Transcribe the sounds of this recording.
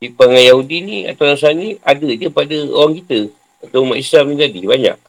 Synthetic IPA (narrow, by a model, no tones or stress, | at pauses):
dipaŋajaɦudinĩa̰t̪awnasaniadədəpadəo̰waŋkit̪ə | at̪awmaʔislamnit̪adibaɲa̰ʔ̚